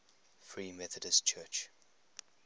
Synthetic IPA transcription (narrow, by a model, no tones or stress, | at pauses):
fɹiːmɛθədəst͡ʃʰɜːˑt͡ʃ